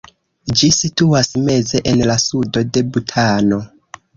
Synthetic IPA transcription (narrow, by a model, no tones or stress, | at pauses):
d͡ʒisituasme̞ze̞ʔenlasudo̞de̞butʰano